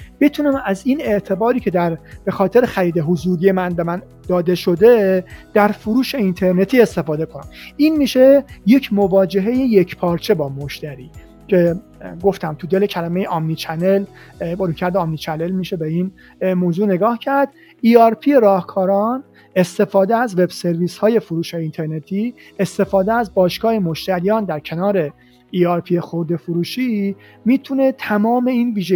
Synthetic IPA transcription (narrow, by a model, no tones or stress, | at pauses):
b̥et̪ʰunæmæziːne̞ʔt̪ʰe̞bɒːɾiːcʰe̞d̪æɾb̥e̞xɒːt̪ʰe̞ɾexæɾiːd̪e̞ɦozuːɾije̞mænbe̞mæn | d̪ɒːd̪e̞ʃo̞d̪e̞d̪̥æɾfoɾuːʃe̞int̪ʰe̞ɾne̞t̪ʰiːe̞st̪e̞fɒːd̪e̞kʰonæ̰miːnmiːʃe̞je̞cʰmovɒːd͡ʒe̞ɦe̞jejecʰpʰɒːɾt͡ʃʰe̞bɒːmoʃt̪æɾiː | cʰe̞ | ɡo̞ft̪æmt̪ʰud̪e̞lecʰælæme̞jeʔɒmnit͡ʃʰænel | bɾuːcʰæɾd̪eɒmniːt͡ʃʰæne̞lmiʃe̞beiːn | moːzuːne̞ɡɒːhcʰæɾd̪ | iːɒɾpʰijeɾɒːhkʰɒːɾɒn | e̞st̪e̞fɒːd̪eæzve̞bse̞ɾviːshɒːje̞fuɾuːʃɒːjiːnt̪ʰe̞ɾne̞t̪ʰiː | e̞st̪e̞fɒːd̪eæzbɒːʃɡɒːhemoʃt̪æɾijɒːnd̪æɾcʰe̞nɒːɾe̞ | iːɒɾpʰijexoɾd̪e̞fuɾuːʃi | miːt̪ʰune̞t̪ʰæmɒːme̞iːnviːʒe